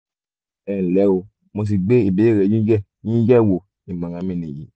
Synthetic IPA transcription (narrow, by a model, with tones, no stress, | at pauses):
ɛ˦˨lɛ˨˦o˧ | mo˧s̬i˧ɡ͡be˦i˦˨be˨˦e˦˨ɾɛ˨˦d͡ʒĩ˦d͡ʒɛ˦˨ | ɲĩ˦d͡ʒɛ˦˨wo˨ | i˨mã˨ɾã˨˦mĩ˦˨nĩ˨jḭ˨˦